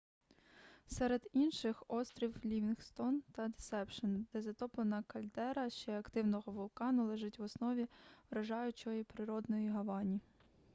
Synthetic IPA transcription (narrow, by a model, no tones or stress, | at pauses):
sɛɾed̪inʃɪxɔst̪ɾʲiwlʲiʋʲinxst̪ɔnt̪ɐd̪esɛpʃɔnd̪ɛzɐt̪ɔplˠenɐkɐlʲd̪ɛɾɐʃt͡ʃɛɐkt̪ɪwnɔɦɔʋʊlˠkɑnʊlˠɛʒɪtʲʋɔsnɔʋʲiʋɾɐʒɑjʊt͡ʃɔjipɾɪɾɔd̪nɔjiɦɐʋɑnʲi